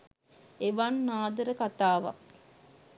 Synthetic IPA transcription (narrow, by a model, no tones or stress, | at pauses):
eʋanːaːd̪əɾəkat̪aːʋa̰